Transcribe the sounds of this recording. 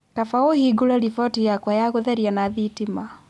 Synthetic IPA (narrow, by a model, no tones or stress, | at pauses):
tafaohiɡulalifɔtijakwajaɣuðɛɾianaðitima